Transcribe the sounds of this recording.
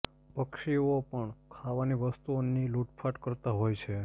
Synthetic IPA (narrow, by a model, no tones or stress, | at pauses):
pəkʃiopəɳkʰaʋaniʋəst̪uoniluʈfʰaʈkəɾt̪aɦojt͡ʃʰe